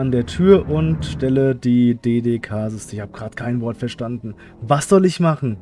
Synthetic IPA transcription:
andeːɐtʰyːɐʔʊntʃtɛlədiːdeːdeːkʰaːzɪstəɪçhaːb̥əɡ̥ʁaːtkʰaɪnvɔɐtfɛɐʃtandn̩ | vasz̥ɔlɪçmaχn̩

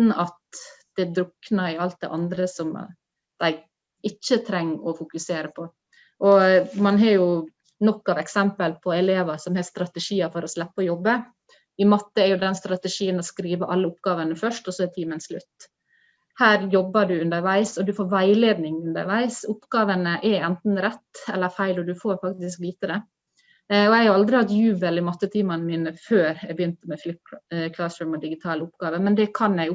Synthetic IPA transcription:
n̩ɑt̪d̪̥ɛd̪ɾʊknɑɪɑlt̪̚d̪ɛ̰ʔɑnd̪ɾəsɔm | d̪̥æɪɡ | ɪt͡ʃːət̪ʰɾɛŋːɔfʊkʉseːɾəpʰɔ | ʔɔmɑnɦɑɾjʊ | nɔkːɑʋɛksɛmpəlpʰɔɛleːʋəsɔmhɛst̪ɾɑt̪ɛʂiːɑfɔɾɔslɛpːəɔjɔbːə | ɪmɑt̪ːəɛɾjʊd̪ɛnst̪ɾɑt̪ɛʂiːənɔskɾiːʋəʔɑlːəʊpɡɑːʋənəfœʂʈɔsɔɛt̪ʰiːmənslʉ̰t̪ː | hæːɾjɔbːəɖʉʉnd̪əɾʋæɪsɔd̪ʉfoːɾʋæɪleːd̪nɪŋʉnd̪ə̰ɾʋæɪsʊpːɡɑːʋənəʔɛɛnt̪n̩ɾɛt̪ːɛlːəɾfæɪlɔd̪ʉfoːɾfɑk̚t̪ɪskliːt̪əɾɛ | ɔjæɪhɑɾɑld̪ɾɪhɑt̪jʉːbəlɪmɑt̪ːət̪ʰiːmɑnəmiːnəføːɾæɪbəjʏnt̪əmɛflɪkʰlɑsœːmɔd̪ɪɡɪt̪ʰɑːləʊpɡ̥ɑːʋəmɛnd̪ɛkʰɑnjæɪʊ

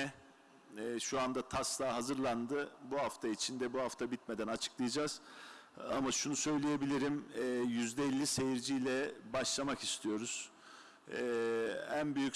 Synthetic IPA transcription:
ɛ | ʃuand̪at̪ʰaslˠaːɦazɯɾlˠand̪ɯbuɦaft̪ʰait͡ʃʰind̪ɛbuɦaft̪ʰabit̪med̪ænat͡ʃʰɯ̥klˠɯjad͡ʒaz̥ | a̰maʃunusø̞jlʲije̞bilʲiɾimɛjyzd̪ɛːlʲːise̞jiɾd͡ʒijlʲɛbaʃlˠamaki̥st̪ʰijo̞ɾuz̥ | ɛːænbyjyc

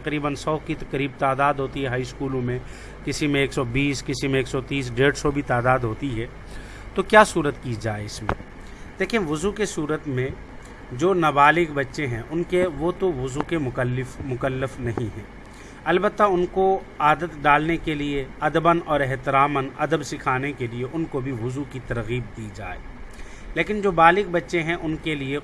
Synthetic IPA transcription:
qɾiːbənsɔːkit̪ɐqəɾiːb̚t̪aːd̪aːd̪ɦoːt̪iɦɛɦaːiskuːlõmẽ | kɪsimẽeːksɔbiːskɪsimẽeːksɔt̪iːs̬ɖeːɽsɔbʱit̪aːd̪aːd̪ɦoːt̪iɦɛː | t̪okjaːsuːɾət̪kid͡ʒaːeɪsmḛ̃ | d̪̥eːkʰiẽʋʊzukesuːɾət̪mẽ | d͡ʒoːnɐbaːlɪkbɐtːʃẽɦɛ̃ʔʊnkeʋot̪oʋʊzukemlɪfmʊkəlːəfnɐɦĩɦɛ̰̃ː | ɐlbət̪ːaʊnko | aːd̪ət̪ɖaːlnekelieɐd̪əbənɔːɾɛɦt̪ɪɾaːmənɐ̰d̪əbsɪkʰaːnekelieʔʊnkobʱiʋʊzukit̪ɐɾɣiːb̚d̪iːd͡ʒa̰ːḛː | leːkɪnd͡ʒoːbaːlɪk̚bɐtːʃẽɦɛ̃ʔʊnkelie

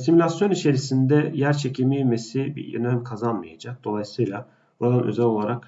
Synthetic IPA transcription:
simulʲasjo̞nit͡ʃʰe̞ɾisind̪ɛjæɾt͡ʃʰecʰimijmesibḭjḭnæmkʰazanmɯjad͡ʒak̚d̪̥o̞lˠajsɯjlˠa | buɾad̪anʔø̞̰zɛlʲo̞lˠaɾak

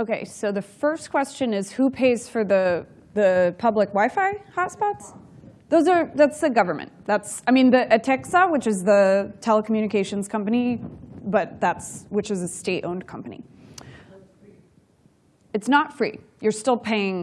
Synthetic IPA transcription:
oʊkʰeɪsoʊðɨfɜ˞skʰw̥ɛst͡ʃɨ̃nɪz̥hupʰeɪz̥fə˞ðɨ | ðɨpʰʌblɨkwaɪfaɪhɑtspɑtsðoʊzə˞ðætsðɨɡʌvə˞mɨ̰̃nðætsaɪmĩnðɨʔɨtʰɛksəwɨt͡ʃɨzðətʰɛlˠəkʰm̩jʉñɨkʰeɪʃɨ̃n̩z̥kʰʌ̃mpɨnibʌt̪̚ðætswɨt͡ʃɨzɨsteɪɾʔõʊ̃nkʰʌ̃mpənḭ | ɨtsnətfɹḭ | jə˞stɪlˠpʰeɪɪ̃ŋ

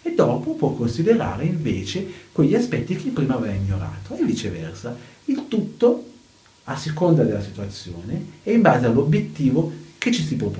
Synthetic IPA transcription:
ed̪ːɔːpopwɔkːonsid̪eɾa̰ːɾeiɱveːt͡ʃekweʎːiaspɛt̪ːik̟epːɾiːmavɛaiɲːoɾa̰ːt̪oevːit͡ʃevɛ̰rsailt̪ut̪ːo | asːekond̪ad̪elasit̪uat̪sːjoːneɛimbaːzealobjet̪ːiːvoket͡ʃːisipop

